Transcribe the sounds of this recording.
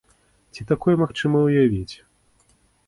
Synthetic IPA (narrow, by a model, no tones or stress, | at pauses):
t͡sʲit̪akɔjɛmaxt͡ʂɨmɐwjavʲit͡sʲ